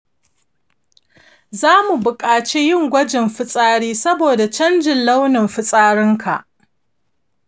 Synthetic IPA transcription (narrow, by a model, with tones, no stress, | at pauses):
zaː˦mu˨bʊ˨kʼaː˨t͡ʃe˦jɪ˦˨ŋɡʷɐ˦d͡ʒɪ˨mɸɪ˦sʼaː˦ɽiː˦sɐ˦boː˨da˨t͡ʃɐ˦nd͡ʒɪ˨nla˦wnɪ˨mɸɪ˦sʼaː˦ɽɪ˦ŋkʰa˨ʔ